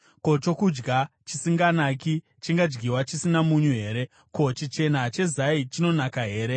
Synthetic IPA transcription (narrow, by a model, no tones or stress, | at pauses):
ko̞t͡ʃo̞kud͡ʒɡa | t͡ʃisiŋɡanaːki | t͡ʃiŋɡad͡ʒɡiwat͡ʃisinamuɲuɦe̞ːɾe̞ | ko̞t͡ʃit͡ʃe̞nat͡ʃe̞zait͡ʃino̞nakaɦe̞ːɾe̞